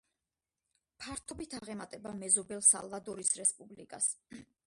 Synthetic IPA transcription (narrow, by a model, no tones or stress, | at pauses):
pʰaɾt̪ʰɔbit̪ʰaʁɛmat̪ʼɛbamɛzɔbɛlˠsa̰lˠvad̪ɔɾisɾɛspʼublḭkʼas